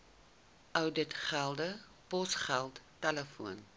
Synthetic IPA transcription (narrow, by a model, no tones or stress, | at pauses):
ʔœwdətχælˠdə | pɔsχælˠtːɛləfuən